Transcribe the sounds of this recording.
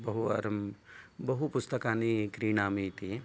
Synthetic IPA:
bɐɦuɐ̰ɾmbɐɦupʊst̪əkaːnikɾiːnaːmit̪ie

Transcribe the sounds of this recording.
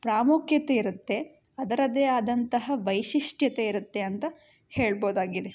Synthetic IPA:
pɾaːmukʰjɐt̪e̞iɾut̪ːe̞ | ɐd̪ɐɾɐd̪eːaːd̪ɐnt̪ɐɦɐʋɐjʃiʂʈjɐt̪e̞iɾut̪ːe̞ɐnt̪ɐ | heːɭboːd̪aːɡid̪e̞

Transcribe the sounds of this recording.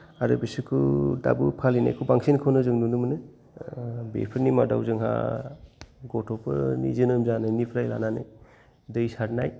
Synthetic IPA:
aɾɯ̰bisɯkʰuda̰bupʰalina̰jkʰubaŋsinkʰownɯzɯŋnunɯmɯnɯ | bḛpʰɯɾnimada̰wzɯŋɦa̰ | ɡɔtʰɔpʰɯ̰nḭzɯnɯmzanɯnipʰɾajla̰nanɯ̰j | dɯjsaɾnaj

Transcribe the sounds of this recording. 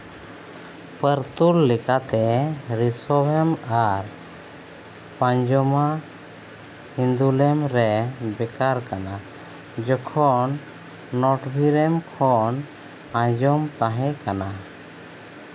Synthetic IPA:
pəɾt̪ulːɛkat̪ɛɾisɔbɛmaɾ | pãɲd͡ʒɔma | hind̪ulɛmɾɛbɛkaɾkana | d͡ʒɔkʰɔnː | ɔʈbʱiɾɛmkʰɔn | ãɲd͡ʒɔmt̪aɦɛ̃kana

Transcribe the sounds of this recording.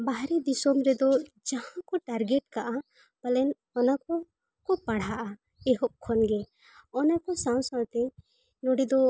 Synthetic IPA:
baɦɾɛd̪isɔmɾɛd̪ɔ | d͡ʒahãkɔʈaɾɡɛʈkaʔa | b̥alɛn | ɔnakɔ | kɔpaɽ̤aʔa | ɛɦɔʔkʰɔnɡɛ | ɔnakɔsãw̃sãwt̪ɛ | nɔɽid̪ɔ

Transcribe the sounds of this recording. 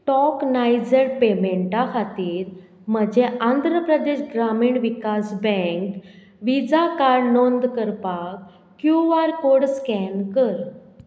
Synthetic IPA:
ʈɔknajd͡zəɾpemeɳʈakʰat̪iːɾ | m̤əd͡ʑeʔãnd̪ʱɾəpɾəd̪eɕɡɾamiːɳʋikasbɛ̃ŋk | ʋid͡zakaɾnond̪kəɾpak | kjuʋaɾkoɽskɛnkəɾ

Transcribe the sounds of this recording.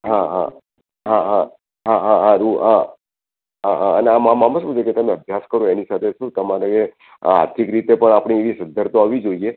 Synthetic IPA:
ɦãɦã̰ | ɦãɦã | ɦaɦãɦãɾuɦa | ɦãɦãəneamãmãməʃbud͡ʒeket̪əmẽəbʱjaskəɾoenisat̪ʰeʃũt̪əmaɾae | a̰ɾt̪ʰikɾit̪epəɳapɳ̃ieʋisə̃nd̪ʱəɾt̪oaʋid͡ʒoie

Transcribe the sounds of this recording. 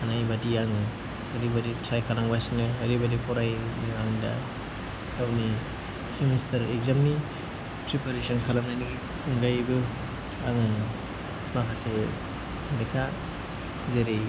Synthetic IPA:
anajbadiaŋɯ | aɾibaditʰɾajkʰalaŋbajsinɯaɾibadipʰɔɾajnɯaŋda̰ | tawni | simistʰaɾeɡzamni | pɾipaɾesɔnkʰalamnajnɯɡi | ɯŋɡajbɯ | aŋɯnɯ | makʰase | aɾekʰa | zeɾe

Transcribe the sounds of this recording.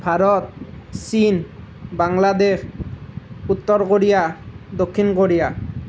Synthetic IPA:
bʱaɾɔt̪̚sin | baŋlad̪eɕ | ut̪ːɔɾkoɾijad̪okʰːinkoɾija

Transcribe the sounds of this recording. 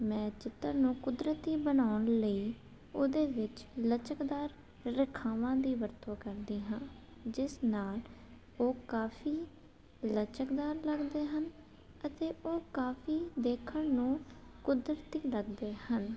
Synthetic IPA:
mɛ̃ːt͡ʃɪt̪ːəɾnũːkʊd̪ɾət̪iːbənaːʊɳləiː | oːd̪eːʋɪt͡ʃlət͡ʃəkd̪aːɾː | ɪkʰaːʋãːd̪iːʋəɾt̪ʰõːkəɾd̪iːɦãːd͡ʒɪsnaːl | oːkaːfʰiː | lət͡ʃəkd̪aːɾləɡd̪eːɦən | ət̪eːʔoːkaːfʰiːd̪eːkʰəɳnũːkʊd̪ɾət̪iːləɡd̪eːhən

